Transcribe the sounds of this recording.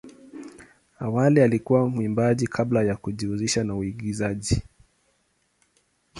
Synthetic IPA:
awalialikuwamimbaʄikʰablajakuʄiuziʃanauiɠizaʄi

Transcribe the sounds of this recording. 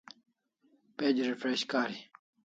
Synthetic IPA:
ped͡ʑɾifɾeɕkaːɾi

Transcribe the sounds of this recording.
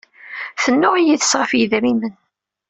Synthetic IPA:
θənːʊʁijiθə̥sʁəfjiðɾimən

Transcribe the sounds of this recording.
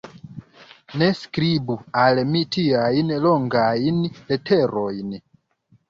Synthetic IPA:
ne̞skɾibualmitiajnlo̞ŋɡajnletʰeɾo̞jn

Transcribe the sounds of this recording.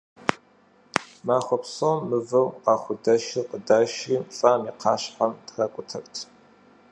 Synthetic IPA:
maːxʷɔpsomːɨvɐmqɑːχʷʊdɐʃiqədaːʃiːmfʼaːmiːqʰɑːɕħamtrakʷʼʊtʰɐrtʰ

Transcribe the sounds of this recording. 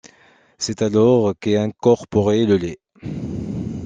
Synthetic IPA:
sɛt̪alɔʁkeɛ̃kɔʁpɔʁeləle

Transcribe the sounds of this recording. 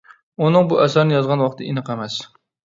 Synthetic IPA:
ʊnɪŋbʊʔasaɾnɪjɒzɡʁɑnwɒq̚t̪ɪɪnɨqʰamas

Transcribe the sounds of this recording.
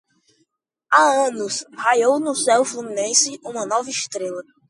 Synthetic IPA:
aɐ̃nʊshajownʊsɛwfluminẽsɪũmɐnɔvɐiʃt̪ɾelɐ

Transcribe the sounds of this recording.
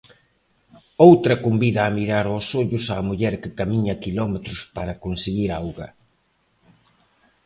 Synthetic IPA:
owt̪ɾɐkombiðaːmiɾaɾɔsoʎʊsaːmuʎɛɾkɪkamiɲɐkilɔmet̪ɾʊspaɾɐkonseɣiɾawɣɐ

